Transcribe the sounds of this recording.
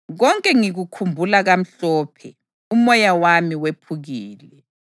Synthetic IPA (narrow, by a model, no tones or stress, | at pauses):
ɣɔŋkʼɛŋiɣukʰumbʱulaɣam̩ɬɔːpʰɛ | umɔjawamiwepʰuɣiːlɛ